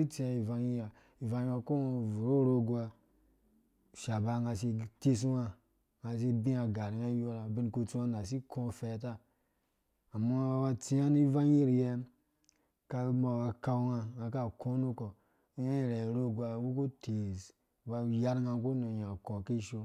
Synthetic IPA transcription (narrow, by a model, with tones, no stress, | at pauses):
i˦t͡si˧a˧i˨va˧ŋi˦a˨ | i˨va˧˦a˧ko˦˨vu˨ɾo˦˨ɾo˧ɡu˦a˧˨ | ʃa˨ba˧ŋa˧s̬i˧ti˦s̬u˦ŋa˧ | ŋa˧s̬i˧bĩ˦a˨ɡa˨ɾi˨ŋa˦jo˦ɾa˨bi˧nku˧t͡su˦a˧na˨s̬i˦kʰõ˦fɛ˧˦ta˦ | a˨ma˦a˧wa˧t͡si˦a˦ni˦va˦i˦ɾje˧ | ka˧ma˨wa˧ka˧wŋa˧ŋa˧ka˦˨kʰo˦nu˦ko˨˦ | ja˦i˨ɾe˨ɾo˦ɡʷa˧˦wu˦ku˦tʰi˨z | ba˧ja˦ɾŋa˧˦ku˦no˨ɲa˨ko˨ki˦˨ʃo˧